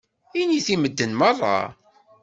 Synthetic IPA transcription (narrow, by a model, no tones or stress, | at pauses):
iniθiməd̪ːənmɑrˤːɑ̰